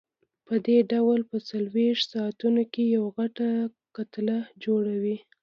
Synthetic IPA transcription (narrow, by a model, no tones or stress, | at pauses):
pəd̪eɖawlpət͡salweʂt̪sɑat̪unokejawaɣaʈa | kat̪lad͡ʒoɽawi